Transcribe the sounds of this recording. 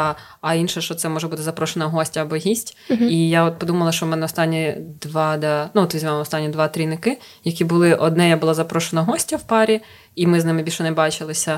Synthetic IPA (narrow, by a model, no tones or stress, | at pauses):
ɐinʃɛʃt͡ʃɔt̪sɛmɔʒɛbut̪ɪzɐpɾɔʃenɐɦɔsʲtʲɐːbɔɦʲisʲtʲijaɔt̪̚pɔd̪umɐlˠɐʃt͡ʃɔmɛnɛɔst̪ɑnʲːid̪ʋɑd̪ɑnuɔt̪ʋʲizʲmʲamɔst̪ɑnʲːid̪ʋɑt̪ɾʲinɪkɪ | jɐkʲibʊlˠɪʔɔd̪nɛjabʊlˠazɐpɾɔʃenɐɦɔsʲtʲɐwpɑɾʲi | imɪznɪmɪbʲilʲʃɔnɛbɑt͡ʃɪlˠɪsʲɐ